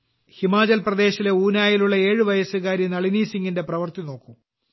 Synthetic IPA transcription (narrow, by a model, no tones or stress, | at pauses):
himaːd͡ʑɐlprɐd̪e̞ːɕileuːnaːjiluɭːɐe̞ːɻɨʋɐjɐsɨɣaːɾjɐnɐɭiniːsiŋɡinde̞prɐʋɐrt̪ino̞ːkːum